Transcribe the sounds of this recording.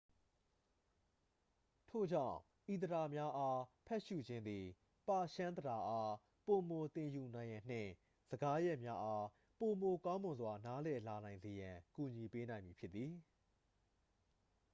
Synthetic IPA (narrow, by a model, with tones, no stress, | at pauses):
tʰo̰˦˨d͡ʑã̰˦˨ | ʔi˨t̪əɾa˨mja˦ʔa˦pʰɛ˦ʔʃṵ˦˨d͡ʑɪ̃˦nd̪i˨ | pa˦˨ʃã˦nd̪əda˨ʔa˦ | po˨mo˨t̪ɪ̃˨ju˨nã˨ɪ̃jã˨n̥ɪ̰̃˦˨ | z̥ə˨ɡa˦jɛ˦ʔmja˦ʔa˦ | po˨mo˨kã˦ʊ̃mʊ̃˨nzwa˨na˦lɛ˨la˨nã˨ɪ̃nze˨jã˨ku˨ɲi˨pe˦nã˨ɪ̃mji˨pʰjɪ˦t̪ːi˨